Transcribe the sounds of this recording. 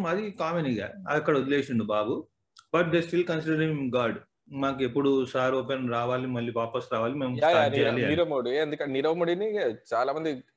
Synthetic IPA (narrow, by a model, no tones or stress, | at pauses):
mɐd̪ikaːmeniɡa̰ːɐɐkːɐɽɐud̪ileːsuɳɖubaːɡu | bɐʈ̚d̪eːsʈilkɐnsiɖɐɾimɡaːɖ | maːk̬uepːuɽusaːɾoːpenɾaːʋaːlimɐɭːipaːpɐsɾaːʋaːlimeːmaːeliɐniɾɐmɐɽieɐnd̪ukɐniɾɐʋmɐɽinit͡ʃaːlaːmɐnd̪i